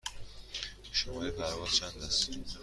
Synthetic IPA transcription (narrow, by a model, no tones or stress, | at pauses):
ʃomɒɾipʰæɾvɒzt͡ʃʰænd̪æs